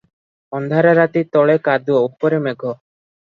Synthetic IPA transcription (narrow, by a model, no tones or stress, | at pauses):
ɔnd̪ʱaɾaɾat̪it̪ɔɭekad̪uɔupɔɾemɛɡʱɔ